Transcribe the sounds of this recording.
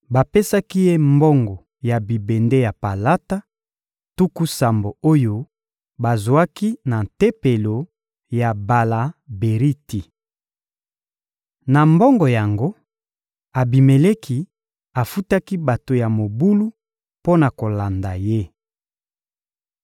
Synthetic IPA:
ba˨pe˦sa˦ki˦je˦mbɔ˦ŋɡɔ˨ | ja˨bi˨be˨nde˦ja˨pa˨la˦ta˦ | tu˦ku˦sa˨mbo˨o˦jo˦ | ba˨zwa˦ki˦na˨n˨te˦pe˨lo˨ | ja˨ba˨la˨be˨ʁi˦ti˨ | na˨mbɔ˦ŋɡɔ˨ja˨ŋɡo˦ | a˨bi˨me˨le˦ki˨ | a˨fu˦ta˦ki˦ba˨to˨ja˨mo˨bu˦lu˦ | po˦na˨ko˨la˨nda˨je˦

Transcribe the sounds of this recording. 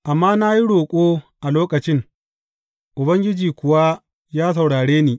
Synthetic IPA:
ʔa˨mːaː˦na˦ji˦ɽoː˨kʷʼoː˦ʔa˨loː˦kɐ˨t͡ʃɪ˦ŋ | ʔʊ˨bɐ˦ŋɡʲɪ˦d͡ʒiː˨kʷʊ˨wa˦ | jaː˦s̬ɐ˨wɽaː˨ɽeː˦niː˨

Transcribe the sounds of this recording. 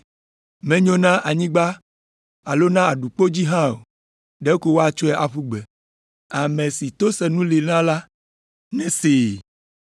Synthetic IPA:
mɛ̃˦ɲõ˦nã˦ʔa˨ɲĩ˦ɡ͡ba˦ | a˨lo˦nã˦a˨ɖu˨k͡po˦d͡ʑi˦ɦã˦o̰˨ | ɖɛ˦ko˦wo˦a˨t͡ʃɔ˦ɛ˦ʔa˨ɸu˦ɡ͡bɛ˨ | a˨mɛ̃˨si˨t̪o˦sɛ˨nũ˦li˨nã˦la˦ | nɛ̃˦se˨

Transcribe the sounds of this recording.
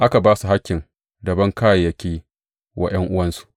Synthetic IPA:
ʔa˦ka˨baː˦su˨ɦa˦kʲːɪ˨ŋ | dɐ˨bɐ˦ŋkaː˦ja˨jɐ˦kʲiː˦ | wʔa̰˦j̰ɐ˦ŋʔʊ˦wɐ˦nsu̥˦ʔ

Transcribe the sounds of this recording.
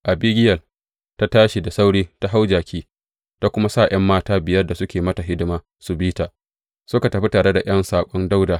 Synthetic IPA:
ʔa˨biː˦ɡʲɪ˦jɐ˨l | ta˦taː˦ʃi˨da˨sa˦wɽiː˦ta˦ɦa˦wd͡ʒaː˨kʲiː˦ | ta˦kʷʊ˦ma˦sa˦˨j̰ʔɐ˦mːaː˦taː˦bɪ˨jɐ˦rda˨sʊ˦kʲeː˨mɐ˦ta˨ɦɪ˦dɪ˦maː˦ | su˨biː˦taː˨ | sʊ˦ka˨tɐ˨ɸi˦taː˨ɽe˦da˨ʔj̰ɐ˦nsaː˨kʷʼɔ˦nda˦wdaː˨

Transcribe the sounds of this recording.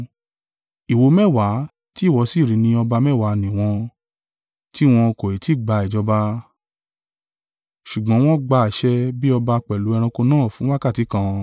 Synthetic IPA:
i˨wo˨˧˦mɛ˦˨wa˨˦ | ti˦˨wɔ˨˧˦si˦˨ɾi˨˦nĩ˧ɔ˧ba˧mɛ˦˨wa˨˦nĩ˨w̃ɔ̃˧ | ti˦w̃ɔ̃˧ko˨i˨ti˨˦˨ɡ͡ba˧ɛ˨d͡ʒɔ˧ba˧ | ʃu˨ɡ͡bɔ̃˨˦w̃ɔ̃˦ɡ͡ba˧a˨ʃɛ˧bi˦ɔ˧ba˧k͡pɛ˨lu˨˦ɛ˧ɾ̃ã˧ko˧nãː˦˨fũ˨˦wa˦ka˦˨ti˨˦kã˧

